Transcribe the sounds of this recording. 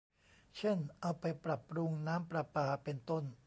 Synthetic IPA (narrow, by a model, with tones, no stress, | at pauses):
t͡ɕʰe˥˩nʔa˧wpa˧jpɾa˨˩pːɾu˧ŋnaː˦˥mpɾa˧paː˧˩pe˧nt̪o˥˩n